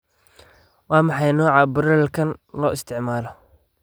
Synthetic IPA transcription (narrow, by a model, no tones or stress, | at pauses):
wɑːmɑħɑjnɔːʕɑbʊɾɛlkʰɐnlɔːɪst̪ʰɪʕmaːlɔ